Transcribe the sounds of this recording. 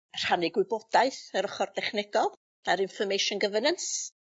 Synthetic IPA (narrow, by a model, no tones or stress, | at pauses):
r̥anɪɡwɪbɔd̥aɨθəɾəχɔrdɛχnɛɡɔlˠ | aɾɪnfɔmejʃɔnɡəvənəns